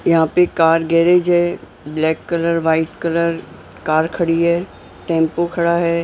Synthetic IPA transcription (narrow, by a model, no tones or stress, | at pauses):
jɐɦãːpekaːɾɡɛːɾed͡ʑɦɛ | blɛːkːɐləɾʋaːɪʈkɐləɾ | kaːɾkʰɐɽiɦɛː | ʈẽːmpokʰɐɽaɦɛː